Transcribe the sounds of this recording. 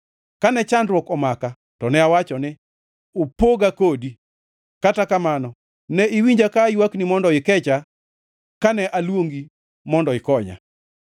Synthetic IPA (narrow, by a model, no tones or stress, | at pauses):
kanɛt͡ʃandɾwɔkɔmaka | tɔnɛawat͡ʃɔnɪ | opoɡakodi | katakamanɔ | nɛɪwiɲd͡ʒakajwaknimɔndɔɪkɛt͡ʃa | kanɛʔalwoŋɡi | mɔndɔɪkɔɲa̰